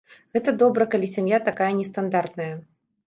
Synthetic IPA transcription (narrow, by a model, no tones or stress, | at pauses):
ɣɛt̪ɐd̪ɔbɾɐkalʲisʲamjat̪akajɐnʲɛst̪and̪art̪nɐjɐ